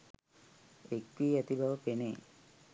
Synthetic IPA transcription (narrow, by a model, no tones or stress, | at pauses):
ek̚tiːɐt̪ibʱɐʋɐpene